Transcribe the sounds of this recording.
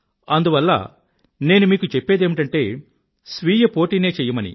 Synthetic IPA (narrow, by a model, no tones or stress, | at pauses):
ɐnd̪uʋɐlːɐ̰ | ne̞ːnumiːkut͡ʃepːe̞ːd̪e̞ːmiʈɐɳʈe̞ː | sʋiːjɐpo̞ːʈiːne̞ːt͡ʃɛːjɐmɐnḭ